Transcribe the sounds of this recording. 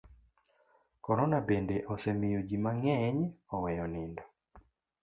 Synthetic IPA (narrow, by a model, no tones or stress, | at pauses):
kɔɾɔnabendeʔɔsemɪjoɡimaŋɛɲɔwɛjɔnɪndɔ